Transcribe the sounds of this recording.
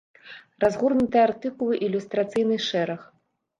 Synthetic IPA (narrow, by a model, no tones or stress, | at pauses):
razɣurnut̪ɨjɛart̪ɨkulˠɨʔilʲust̪ɾat̪sɨjnɨʂɛɾɐx